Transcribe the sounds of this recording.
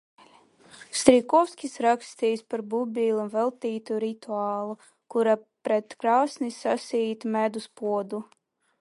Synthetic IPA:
st̪ɾikɔwskʲisɾakst̪ijspaɾbubʲilˠunvɛlˠt̪iːt̪uɾit̪uaːlˠu | kuɾapɾet̪kɾaːsnisasʲiːt̪mʲæd̪uspuɔd̪u

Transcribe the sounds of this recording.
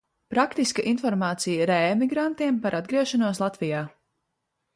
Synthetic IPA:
pɾakt̪iskəʔinfɔɾmaːt̪sijəɾɛːmiɡɾant̪iɛmpaɾʔad̪̚ɡɾiɛʃanuɔslˠat̪vijaː

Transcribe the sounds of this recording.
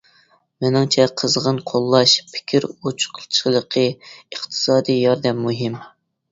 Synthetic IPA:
mɪnɪŋt͡ʃʰɛqʰəzʁənqʰolˠːɑʃpʰɪ̥kʲʰiɾot͡ʃʰqʰəlˠt͡ʃʰlˠəqʰəəχt̪ʰɨ̥sɑːd̪ijjɑɾd̪ɛmːuɦɪm

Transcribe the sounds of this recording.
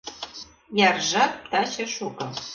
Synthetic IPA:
jɑrʒɑp̚t̪ɑt͡ɕɤ̆ʃukɤ̆

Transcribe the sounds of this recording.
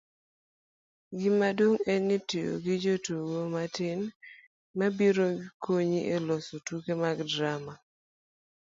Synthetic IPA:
ɡɪmadoŋɛnːitio̰ɡɪd͡ʒotuwomatɪn | mabiɾokʰoɲiʔelɔsotukemaɡdɾama

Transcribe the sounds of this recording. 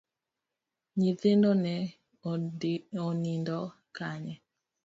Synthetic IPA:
ɲiðendonɛ | onindɔ | kaɲɛ

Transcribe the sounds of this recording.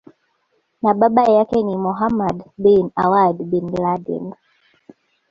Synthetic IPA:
naɓaɓajakɛnimɔɦamadbinawadbinladḭn

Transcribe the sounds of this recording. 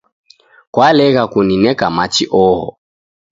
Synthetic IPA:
kwalɛɣakuninɛkamat͡ʃiʔɔɦɔ̰

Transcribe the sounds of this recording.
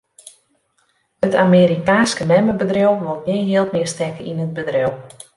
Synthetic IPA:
ətʰameːɾikaːnskənɛməbədrowʋolˠnɪɦɪːlˠtmɪərstɛkəinəd̚bədrɛw

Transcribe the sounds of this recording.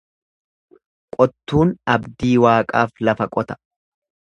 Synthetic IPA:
kʼɔt̪ːuːnɐbd̪iːwaːkʼaːflɐfɐkʼɔt̪ɐ̥

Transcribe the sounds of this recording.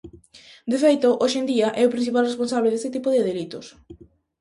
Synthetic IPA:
d̪efejt̪oʔoʃend̪iɐʔɛʊpɾin̟θipalrespons̬aβleð̞est̪ɪt̪ipʊðeðelit̪ʊs

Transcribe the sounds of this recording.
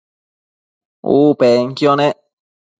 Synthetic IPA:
ṵpeŋ̩kjɔne

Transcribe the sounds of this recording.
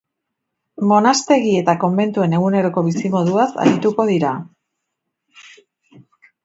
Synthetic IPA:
mo̞nast̪e̞ɣie̞t̪ako̞mbe̞nt̪ue̞ne̞ɣ̞une̞ɾo̞ko̞β̞isimo̞ðuasa̰ɾit̪uko̞ðiɾa

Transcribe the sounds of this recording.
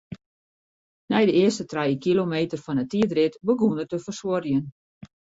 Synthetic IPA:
nɛjdəɪəstətrɛjəkilomeːtərfɔnətiədrɪtbəɡunətəfərsworjən

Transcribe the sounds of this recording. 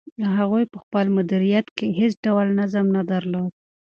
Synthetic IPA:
d̪əɦaɣujpəxpəlmʊd̪iɾijat̪keɦesɖawlnazəmnad̪əɾlod̪̚

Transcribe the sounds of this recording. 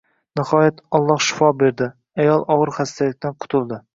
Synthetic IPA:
nɪhɒjat̪ʰɒlˠːɒhʃɪ̥fɒbe̞ɾd̪ɪ | ajɒlˠɒʁɨɾχast̪ʰalɪk̚ʲt̪ʰanqʰʊ̥t̪ʰʊlˠd̪ɪ

